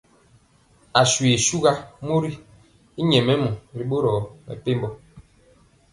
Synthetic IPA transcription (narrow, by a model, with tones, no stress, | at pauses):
a˨swe˨su˦ɣa˦mo˦ɾi˦ | i˦ɲɛ˨mɛ˦mu˨ɾi˨ɓo˦ɾɔː˨mɛ̰˨pe˦mbɔ˦